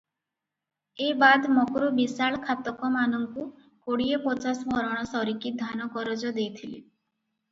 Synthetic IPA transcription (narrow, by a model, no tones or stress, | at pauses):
ebad̪mɔkɾubisaɭkʰat̪ɔkɔmanɔŋku | koɽiepɔt͡ʃasɔbɔɾɔɽ̃ɔsɔɾikid̪ʱanɔkɔɾɔd͡ʒɔd̪ejt̪ʰilḭ